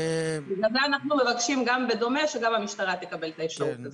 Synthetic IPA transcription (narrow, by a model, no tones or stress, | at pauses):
biɡalzeanaχnume̞vakʃimɡambe̞d̪o̞me̞ʃeɡamhamiʃt̪aʁat̪ekabe̞lt̪aefʃaʁut̪kazot